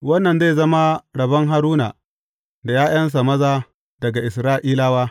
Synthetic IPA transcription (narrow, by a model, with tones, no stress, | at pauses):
wɐ˦nːɐ˨nze˦˨zɐ˦ma˦ɽɐ˨bɐ˦ŋɦa˦ɾuː˦naː˨ | da˨jaː˦j̰ɐ˦ns̬a˨mɐ˦zaː˦ | dɐ˨ɡa˨ʔɪ˨sɾaː˦ʔiː˦laː˦waː˦